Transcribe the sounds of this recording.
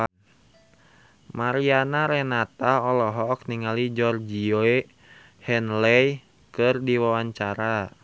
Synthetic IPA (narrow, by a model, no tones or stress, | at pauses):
maɾianaɾɛnat̪aɔlɔɦɔk̚niŋalid͡ʒɔrd͡ʒiɔe | hɛnlɛj | kɨrdiwawaɲt͡ʃaɾa